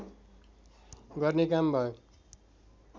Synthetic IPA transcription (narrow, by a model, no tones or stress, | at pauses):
ɡʌrnekambʱʌjo